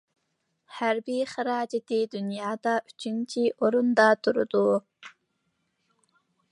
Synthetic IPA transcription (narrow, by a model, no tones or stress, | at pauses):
hæɾbiχɨɾɑːd͡ʒɛt̪ʰid̪unjɑːd̪ɑʔyt͡ʃʰint͡ʃʰiʔoɾund̪ɑt̪ʰuɾʊ̰d̪u